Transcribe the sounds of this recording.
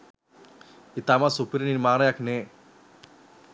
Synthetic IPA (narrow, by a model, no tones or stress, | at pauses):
it̪amasupiɾininmaːɾajakne